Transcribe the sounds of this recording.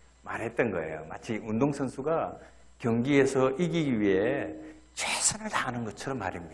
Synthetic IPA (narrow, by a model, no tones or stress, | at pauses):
maɾɦe̞t̚t͈ʌnɡʌ̰e̞̰jo̰mat͡ɕʰiʔundoŋsʰʌnsʰuɡa | kjʌŋɡiesʰʌʔiɡiɡiɥiɦe̞ | t͡ɕʰwesʰʌnɯɭtaɦanɯnɡʌt͡ɕʰʌɾʌmːa̰ɾimɲida